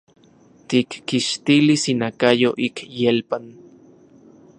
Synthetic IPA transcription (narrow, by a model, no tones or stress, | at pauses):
t̪ikːiʃt̪ilisinakajoʔikjelpan